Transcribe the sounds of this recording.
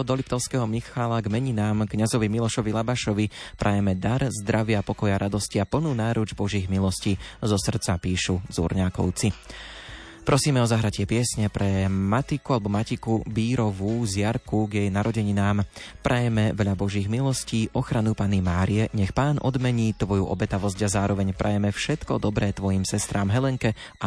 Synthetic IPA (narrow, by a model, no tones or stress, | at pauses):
ɔd̪ɔlipt̪ɔʊskɛɦɔmixalaɡmɛɲinaːmkɲazɔʋimilɔʃɔʋilabaʃɔʋipɾʔajɛmɛd̪aɾzd̪ɾaʋɪapɔkɔjaɾʔad̪ɔsciapl̩nuːnaːɾud͡ʒbɔʒiːɣmilɔscizɔsr̩t̪t͡sapiːʃuzṵːɾɲakɔ̰ʊt͡si | pɾʔɔsiːmɛɔzaɦɾacɪɛpɪɛsɲɛpɾɛmat̪ikualɛbɔmacikubiːɾɔʋuzɪjaɾkuɡjɛjnaɾɔɟɛɲinaːmpɾʔajɛmɛʋɛʎabɔʒiːɣmilɔsciːʔɔxɾanupanimaːɾijɛɲɛxpaːnʔɔ̰d̪mɛɲiːt̪ʋɔjuʔɔ̰bɛt̪aʋɔzcɟazaːɾɔʋɛɲpɾʔajɛmɛfʃɛt̪kɔd̪ɔbɾɛːt̪ʋɔjimsɛst̪ɾʔaːmɦɛlɛŋkɛa